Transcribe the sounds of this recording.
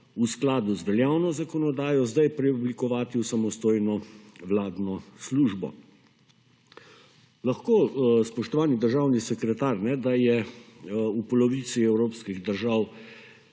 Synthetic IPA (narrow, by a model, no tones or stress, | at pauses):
usklaːd̪uzʋɛljawnɔzakɔnɔd̪aːjɔzd̪ajpɾɛublikɔʋaːt̪iusamɔst̪oːjnɔʋlaːd̪nɔsluʒbɔ̰ | laxkoːspɔʃt̪ɔʋaːnid̪əɾʒaːwnisɛkɾɛt̪aːɾnɛd̪ajɛ | upɔlɔʋit̪siɛwɾoːpskiɣd̪əɾʒaːw